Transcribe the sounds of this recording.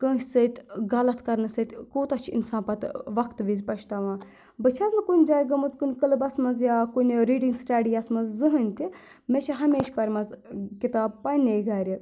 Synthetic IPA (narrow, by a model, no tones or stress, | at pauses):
kə̃ːsʲsɐjt̪ʲɡɐlɐt̪ʰkɐɾnɨsɐt̪ʲkoːt̪ɐt͡ʃʰḭnsaːnpɐt̪ʋɐkt̪ʋizpɐʃʰt̪aʋãː | bɐt͡ʃʰaznɨkunʲd͡ʒaːjɡɐmɐzkunʲkəlɨbɐsmɐnzjaːkunʲɾiːɖiŋɡsʈɐɖijɐsmɐzzɨɦənʲt̪i | met͡ʃʰɐɦɐmeːʃʲpɐɾʲmɐzkʲit̪aːb̚pɐnʲejɡaːɾʲi